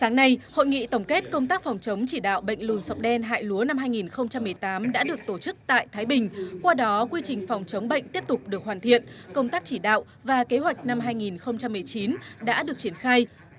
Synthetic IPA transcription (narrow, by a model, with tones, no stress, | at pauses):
saː˨˦ŋna˧jho̰˧˨jŋḭ˧˨t̪ə˧˩wŋ͡mke˦˥t̚kə˧wŋ͡mt̪aː˦˥k̚fa˨˩wŋ͡mt͡ɕə˨˦wŋ͡mt͡ɕi˧˩ɗa̰ː˧˨wɓə̰˧˨jŋ̟lu˨˩nsa˨˥wk͡p̚ɗɛ˧nɦa̰ː˧˨jlu˨˦əna˧mɦaː˧jŋi˨˩nxə˧wŋ͡mt͡ɕa˧mːɨ˨˩əjt̪aː˨˦mɗa̰ː˧˥ɗɨ˨˩ək̚t̪o˧˩t͡ɕɨ˦˥k̚t̪a̰ː˧˨jt̪ʰaː˨˦jɓï˨˩ŋ̟kwaː˧ɗɔ˨˦kwi˧t͡ɕï˨˩ŋ̟fɔ˨˩wŋ͡mt͡ɕə˨˦wŋ͡mɓə̰˧˨jŋ̟t̪i˦˥əp̚t̪ʊ˨˩k͡p̚ɗɨ˨˩ək̚ɦwaː˨˩nt̪ʰḭ˧˨ənkə˧wŋ͡mt̪aː˦˥k̚t͡ɕi˧˩ɗa̰ː˧˨wʔ | vaː˨˩ke˨˦ɦwa˨˩jk̟̚na˧mɦaː˧jŋi˨˩nxə˧wŋ͡mt͡ɕa˧mːɨ˨˩əjt͡ɕi˨˦nɗa̰ː˧˥ɗɨ˨˩ək̚t͡ɕi˧˩ənxaː˧j